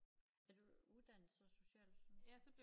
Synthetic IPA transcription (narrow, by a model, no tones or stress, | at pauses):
æd̥uuðˠd̥æn̰sɒso̝ɕɛ̰ːl̥ssɒb̥le